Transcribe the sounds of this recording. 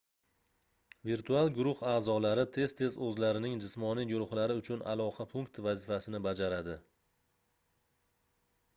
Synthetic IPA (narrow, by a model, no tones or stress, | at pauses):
viɾt̪ʰualˠɡʊɾʊhaːzɒlaɾɪt̪ʰe̞z̥t̪ʰe̞zɵzlaɾɪnɪŋd͡ʒɪsmɒnijɡʊɾʊχlaɾɪʊt͡ʃʰʊna̰lˠɒqʰapʰʊŋkt̪ʰvazɪfasɪnɪbad͡ʒaɾad̪ɪ